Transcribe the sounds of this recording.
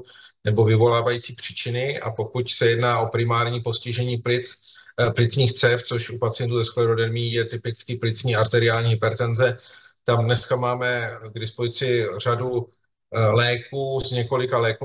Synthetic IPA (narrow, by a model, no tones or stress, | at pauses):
nɛbo̞vɪvo̞laːvajiːt͡siːpr̝̥iːt͡ʃɪnɪʔa̰po̞kucsɛjɛdnaːʔo̞pɾɪmaːɾɲiːpo̞scɪʒɛɲiːplɪt͡splɪt͡sɲiːxt͡sɛft͡so̞ʃupat͡sɪjɛnt̪uːzɛskoɛdodɛɾmijɛt̪ɪpɪt͡skɪplɪt͡sɲiːaɾt̪ɛɾɪaːlɲiːɦɪpɛɾt̪ɛnzɛt̪amdnɛskamaːmɛɡdɪspozɪt͡sɪr̝adu | lɛːkuːzɲɛko̞lɪkalɛːku